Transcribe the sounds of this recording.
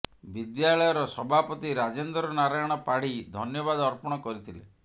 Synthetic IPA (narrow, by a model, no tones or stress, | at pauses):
bid̪jaɭɔjɔɾɔsɔbʱapɔt̪iɾad͡ʒend̪ɾɔnaɾajɔɽ̃ɔpaɽ̤id̪ʱɔnjɔbad̪ɔɾpɔɽ̃ɔkɔɾit̪ʰilḛ